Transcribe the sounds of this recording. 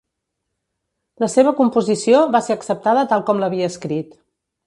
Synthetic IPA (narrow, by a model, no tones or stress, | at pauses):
ləseβ̞əkumpuzisioβaseəksəp̚t̪aðət̪alˠkɔmləβiəːskɾit̪